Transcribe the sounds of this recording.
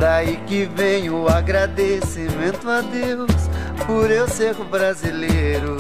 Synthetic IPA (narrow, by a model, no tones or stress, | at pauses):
d̪aikɪvẽɲʊaɡɾad̪esimẽnt̪ʊad̪ewspʊɾewsekʊbɾazilejɾʊ